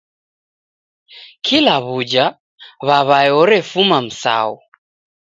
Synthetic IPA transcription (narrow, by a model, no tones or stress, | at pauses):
kʰilaβud͡ʒa | βaβajɔɾɛfumam̩sa̰u